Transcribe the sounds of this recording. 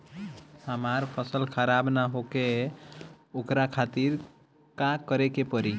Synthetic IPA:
həmaɾpʰəsəlkʰəɾabnaɦoke | okɾakʰat̪iɾ | kakəɾekepəɾi

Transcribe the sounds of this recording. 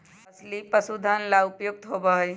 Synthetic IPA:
ɐslipəsud̪ʱanlaʊpjʊɡ̚t̪ɦobəɦ

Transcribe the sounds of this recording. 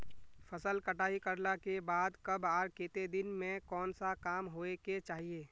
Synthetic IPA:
fʰəsəlkəʈaːɦikəɾlakebaːd̪kɐbaːɾkeːt̪ed̪ɪnmẽkɔːnsakaːmɦoːeket͡ʃaːɦieː

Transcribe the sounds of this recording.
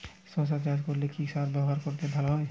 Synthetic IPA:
sɔ̃sad͡ʑad͡ʑkoɾlekiʃaɾbɛboɦaɾkoɾt̪ebʱaloɦɔe

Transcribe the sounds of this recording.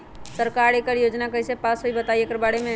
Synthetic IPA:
səɾkaɾekəɾjod͡ʒnakəisepasɦoibət̪aiekəɾbaɽemẽ

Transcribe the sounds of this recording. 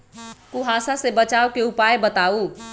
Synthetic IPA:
kuɦasasebət͡ʃaːokeupaebət̪au

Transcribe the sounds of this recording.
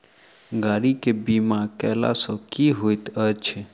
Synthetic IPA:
ɡaːɾikebimãkɛla̰sokiɦojt̪ət͡ʃʰe

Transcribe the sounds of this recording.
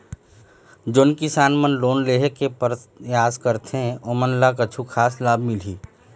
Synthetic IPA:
d͡ʒoːnkɪsaːnmənloːnleːɦekepəɾjaːskəɾt̪ẽoːmənlakət͡ʃʰukʰaːslaːbʱmɪliː

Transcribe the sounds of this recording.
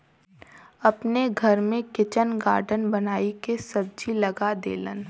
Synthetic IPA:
ɐpneɡʱɐɾmẽkɪt͡ʃənɡaːɾɖənbɐnaːikesɐb̚d͡ʒilɐɡad̪ḛːlə̰n

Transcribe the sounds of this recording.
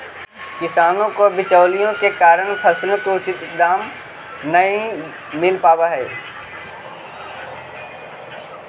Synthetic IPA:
kɪsaːnõkobɪt͡ʃəʊlijõkekaːɾəɽ̃pʰɐslõkoʊt͡ʃɪt̪ɪk̚d̪aːm | nɐĩ | mɪlpaːwaɦɛː

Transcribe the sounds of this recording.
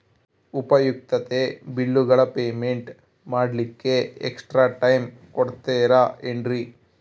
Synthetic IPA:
upɐjuk̚t̪ɐt̪ebilːuɡɐɭɐpeːmeɳʈ | maːɽɐlikːe̞ḛksʈɾaːʈɐjm | kɔɽt̪eːɾaeɳɖɾi

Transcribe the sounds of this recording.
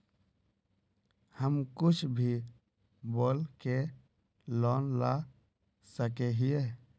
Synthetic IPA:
həmkʊt͡ʃʰbʱi | boːlke | lɔːnla | səkeɦije

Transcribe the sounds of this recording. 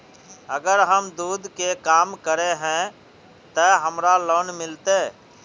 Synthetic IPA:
əɡəɾɦəmd̪uːd̪ʱkekaːmkəɾeɦɛ̃ | t̪əɦəmɾaloːnmɪlt̪eː

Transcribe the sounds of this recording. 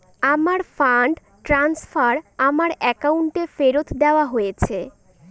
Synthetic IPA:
amaɾfaɳɖ | ʈɾansfaɾamaɾɛkauɳʈefeɾot̪d̪eoaɦojet͡ɕʰe

